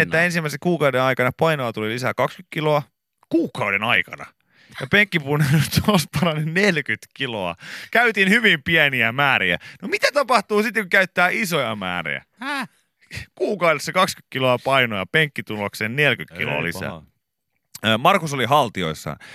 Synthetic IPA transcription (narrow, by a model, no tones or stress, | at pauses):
et̪ːæensimːæˑisekkuːkɑudenɑikɑnɑpɑinojɑt̪ulilisækɑkskyt̪kiloɑ | kuːkɑudenɑikɑ̰nɑ̰ | jɑpeŋkːipunːelt̪ospɑrɑnennelkyt̪kiloɑ̰kæyt̪inhyʋimpiæniæmæːɾiæ̰nomit̪æt̪ɑpɑht̪uːsit̪ːekukæyt̪ːæːisojɑmæ̰ːrḭjæ̰ | kuːkɑudesːɑkɑksky̥t̪kiloɑpɑinojɑpeŋkːit̪uloksennelkyt̪kḭlo̰ːlḭssæ̰ | mɑrkusoliɦɑlt̪io̰isːɑ̰